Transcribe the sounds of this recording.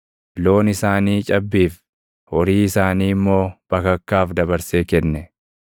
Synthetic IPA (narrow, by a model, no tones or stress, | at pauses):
lo̞ːnɪsaːniːt͡ʃʼɐbːiːf | hɔɾiːɪsaːniːmːo̞ːb̥ɐkɐkːaːfd̪ɐbɐɾseːkɛnːɛ